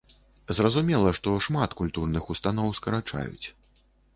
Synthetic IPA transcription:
zrɐzumʲɛlˠɐʂt̪ɔʂmat̪kulʲt̪urnɨxust̪anɔwskɐɾat͡ʂa̰jṵt͡sʲ

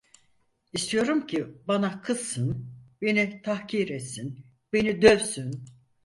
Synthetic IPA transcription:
ist̪ʰijo̞ɾumcʰibanakʰɯz̥ːɯnbe̞nit̪ʰahciɾɛt̪sin | b̥e̞nid̪øvsyn

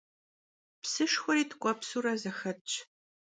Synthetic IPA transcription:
psɨʂxʷɔɾiːtʰkʷʼɔpsuːɾɐzɐxɐt͡ʃʼ

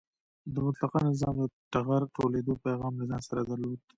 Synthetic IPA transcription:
d̪əmʊt̪lɑqɑnɪzɑmd̪əʈaɣaɾʈoled̪opejɣɑmlazɑnsaɾad̪aɾlod̪̚

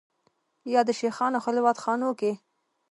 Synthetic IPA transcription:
jɑd̪əʃexɑnaxalɪwɑt̪xɑnoke

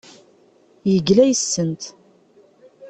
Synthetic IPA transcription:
jəɡlæjəsːənt̪

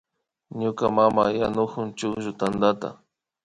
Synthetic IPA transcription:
ɲʊkamamajanʊkʊnt͡ʃʊkʒʊt̪and̪at̪a̰

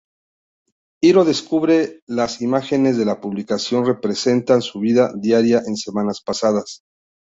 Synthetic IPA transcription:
iɾo̞ðe̞skuβɾe̞lasimaxe̞ne̞zðe̞lapuβlikasjo̞nre̞pɾe̞se̞nt̪ansuβiðaðjaɾjaʔe̞nse̞mãnaspasaðas

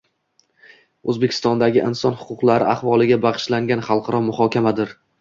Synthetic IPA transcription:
ɵzbekʲʰɪ̥st̪ɒnd̪aɡʲɪʔɪnsɒnhʊ̥qʊqlˠaɾɪaχvɒlˠɪɡʲabɑqɨ̥ʃlaŋɡʲanχɑlˠqʰɑɾɒmʊhɒkʲamad̪ɪɾ

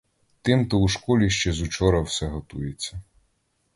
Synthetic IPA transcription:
t̪ɪmt̪ɔuʃkɔlʲiʃt͡ʃɛzʊt͡ʃɔɾɐwsɛɦɔt̪ujet͡sʲːɐ

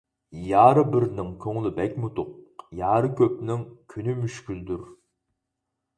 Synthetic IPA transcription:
jɑːɾɨbɪɾnɪŋkʲʰøŋlˠɪbɛkʲmut̪ʊq̚jɑːɾɨkʲʰøp̚nɪŋkʲʰynymyʃkʲyld̪yɾ

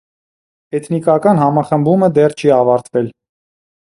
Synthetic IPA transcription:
ɛt̪ʰnikɑkɑnhɑmɑχəmbuməd̪ɛrt͡ʃʰiɑvɑɾt̪vɛl

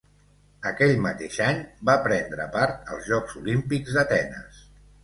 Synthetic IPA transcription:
əkɛʎmət̪eʃaɲbapɾɛnd̪ɾə̰paɾt̪ə̰lˠzʒɔkzulimpikzd̪ət̪ɛnə̰s

